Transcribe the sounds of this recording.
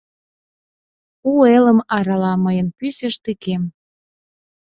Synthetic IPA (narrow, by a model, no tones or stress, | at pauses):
ueləmɑɾɑlɑməjənpyseʃt̪ikem